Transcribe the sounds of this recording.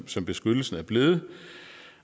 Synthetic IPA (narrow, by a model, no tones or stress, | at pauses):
sɒ̽mb̥e̝sɡ̥ød̥l̩sn̩æɐb̥le̝ð̩ˠə